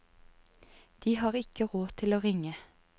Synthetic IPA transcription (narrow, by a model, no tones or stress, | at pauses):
d̪̥iːhɑːʁɪkəʁoːt̪ʰɪloːʁɪŋə